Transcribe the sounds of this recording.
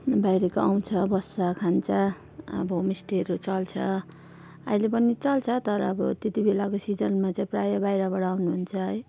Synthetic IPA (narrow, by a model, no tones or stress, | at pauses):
bajɾekoaw̃t͡sʰʌbʌsakʰant͡sʰʌ | ʌ̰bʌmisʈeɾot͡sʌlt͡sʰʌ | ʌ̰jlepʌnit͡sʌlt͡sʰʌt̪ʌɾʌːbʌ̰t̪et̪ibelakosid͡zʌnmat͡saĩprajʌbajɾabʌɽaːwnuɦunt͡sʰʌɦʌj